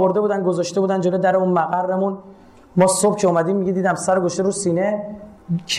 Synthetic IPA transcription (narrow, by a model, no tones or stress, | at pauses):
oɾd̪e̞buːd̪ænɡozɒːʃt̪e̞buːd̪ænd͡ʒo̞lod̪æɾeunmæɣærːemun | mɒːsob̥cʰeumæd̪iːmːiɟed̪iːd̪æmsæɾoɡoʃt̪eɾuːsiːne̞ | t͡ʃʰ